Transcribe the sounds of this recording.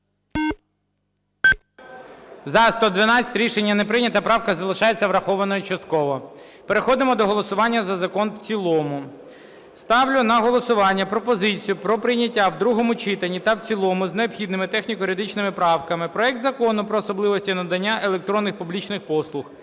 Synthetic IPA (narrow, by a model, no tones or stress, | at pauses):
zɐst̪ɔd̪ʋɪnɑt͡sʲɐ̥tʲɾʲiʃenʲːɐnepɾɪnʲɐt̪ɐpɾɑwkɐzɐlˠɪʃɑjet͡sʲːɐʋɾɐxɔʋɐnɔjʊt͡ʃɐst̪̚kɔʋɔpeɾexɔd̪ɪmɔd̪ɔɦɔlˠɔsʊʋɑnʲːɐzɐzɐkɔnwt͡sʲilˠɔmʊ | st̪ɑwlʲʊnɐɦɔlˠɔsʊʋɑnʲːɐpɾɔpɔzɪt͡sʲijʊpɾɔpɾɪjnʲɐtʲːawd̪ɾuɦɔmʊt͡ʃɪt̪ɐnʲːit̪ɐwt͡sʲilˠɔmʊzneɔpxʲid̪nɪmɪt̪ɛxnʲikɔɾʲɐd̪ɪt͡ʃnɪmɪpɾɑwkɐmɪpɾɔɛk̚t̪zɐkɔnʊpɾɔːsɔblˠɪʋɔsʲtʲinɐd̪ɐnʲːaʔelˠek̚t̪ɾɔnːɪxpublʲit͡ʃnɪxpɔslˠʊx